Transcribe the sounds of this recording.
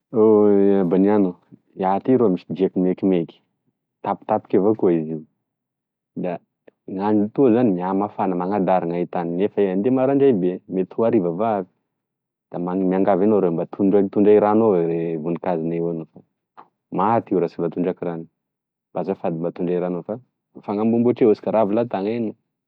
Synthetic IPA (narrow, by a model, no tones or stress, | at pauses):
oabaniano | iat̪iɾomisid͡ʒiekimekimeki̥ | t̪api̥t̪api̥kʲavokoiziu | d̪a | ŋaɳɖ͡ʐit̪uazanimiamafanəmaŋad̪aɾaŋait̪aninefaeand̪emaɾaɳɖ͡ʐajbemet̪ʰuaɾivavavi̥ | d̪̥amamiaŋɡavanoɾembat̪ʰuɳɖ͡ʐat̪uɳɖ͡ʐaiɾanoɾevunikazinaanufa | mat̪iwɾasibat̪uɳɖ͡ʐakiɾani̥ | b̥azafad̪imbat̪uɳɖ͡ʐajɾanofa | faŋambumbuʈ͡ʂeosi̥kaɾavilat̪aŋenu